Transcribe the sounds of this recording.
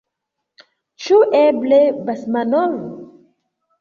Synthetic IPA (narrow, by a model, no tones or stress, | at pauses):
t͡ʃuʔeblebasmanɔv